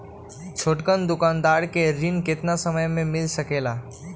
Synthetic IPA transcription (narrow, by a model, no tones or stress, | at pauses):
t͡ʃʰoʈkənd̪ʊkãːnd̪aːɾkeɾɪnkɪt̪nasəməjmẽmɪlsəkeːla